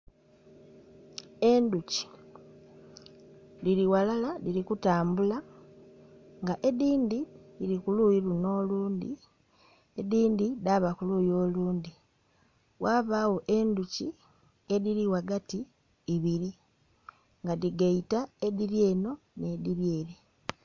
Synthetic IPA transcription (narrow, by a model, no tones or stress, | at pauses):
e̞nduci̥ | liɾiwalalaliɾikutaːmbula | ŋɡaʔe̞diːndiliɾikulujiɾuno̞ːluːnd̪ḭ | ediːndidaβakulujoːluːnd̪i | wʔaːβaːwo̞ʔe̞nduci | e̞ðiliwaɡatiː | βiɾi | ŋɡaðiɡaitaeðiɾje̞ːno̞ | ne̞diβje̞ɾe